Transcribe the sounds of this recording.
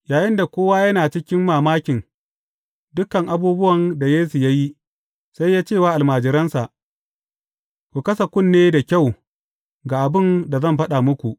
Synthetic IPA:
jaː˨jɪ˦nda˨kʷoː˦waː˦jɐ˦naː˨t͡ʃɪ˦kʲɪ˦mːaː˨maː˦kʲɪ˨n | dʊ˦kɐ˨ŋʔa˨buː˦bʊ˦wɐ˨nda˨jeː˦su˨ja˦ji˦ | sa˦jːaː˦t͡ʃeː˦˨waː˦ʔa˨lmaː˨d͡ʒɪ˨ɾɐ˦nsa˨ʔ | kʷu˨kɐ˦sa˨kʷʊ˦nːeː˦da˨kʲa˦˨w | ɡaː˨ʔa˨bɪ˦˨nda˨zɐ˦˨mɸɐ˦ɗa˨mʊ˦kʷu˨ʔ

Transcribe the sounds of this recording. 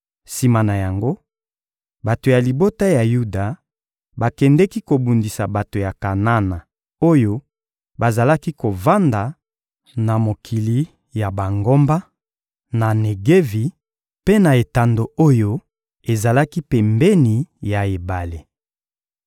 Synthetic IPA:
si˨ma˨na˨ja˨ŋɡo˦ | ba˨to˨ja˨li˨bo˦ta˦ja˨ju˦da˨ | ba˨kɛ˨ndɛ˦ki˦ko˨bu˨ndi˨sa˨ba˨to˨ja˨ka˨na˦na˨ | o˦jo˦ | ba˨za˨la˦ki˦ko˨va˦nda˨ | na˨mo˨kʰi˨li˨ | ja˨ba˨ŋɡo˦mba˦ | na˨ne˨ɡe˦vi˨ | pe˦na˨e˨ta˨ndo˨o˦jo˦ | e˨za˨la˦ki˦pɛ˨mbɛ˦ni˨ja˨e˨ba˨le˨

